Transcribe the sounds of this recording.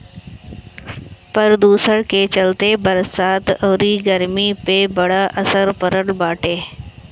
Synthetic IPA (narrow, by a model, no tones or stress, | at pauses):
pɐɾd̪uːsəɽket͡ʃɐlt̪ebɐɾsaːt̪oːɾiːɡəɾmipebɐɽaʔɐsəɾpəɾəɽbaːʈeː